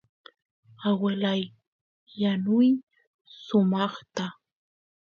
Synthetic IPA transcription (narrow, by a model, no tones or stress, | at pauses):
awɪlajː | anʊj | sʊmɑχt̪a